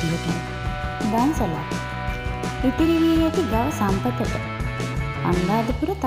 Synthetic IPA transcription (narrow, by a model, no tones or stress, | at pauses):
ijət̪i | d̪ansəla̰ː | it̪iɾiʋiejat̪iɡaʋəsampət̪ət̪ə̰ | a̰nd̪aːd̪əpuɾət̪